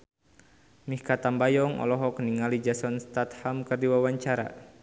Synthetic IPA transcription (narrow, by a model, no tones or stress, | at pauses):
mihkat̪ambajɔŋɔ̰lɔɦɔkəniŋalid͡ʒasɔnst̪at̪hamkɨrdiwawaɲt͡ʃaɾa̰